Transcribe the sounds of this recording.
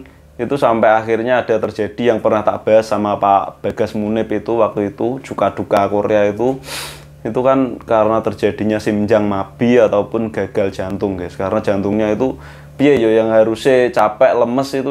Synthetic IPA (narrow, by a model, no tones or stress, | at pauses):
it̪usampɛaxirɲaːd̥a̤t̪ərd͡ʒ̥ad̥i̤jaŋpərnaht̪a̰ʔb̥aɦasːamaːpab̥a̤ɡ̥a̤smunɪpit̪uwak̚t̪uit̪u̥t͡ʃukad̥ukakoɾḛait̪u | it̪ukankaɾənat̪ərd͡ʒad̥i̤ɲasimd͡ʒaŋmab̥i̤at̪aupʊnɡ̥a̤ɡ̥a̤ld̥ʒ̥a̤nt̪ʊŋɡɛskaɾənḁd͡ʒ̥ant̪ʊŋɲait̪u | piajojaŋɦaɾuset͡ʃapɛʔləməsit̪u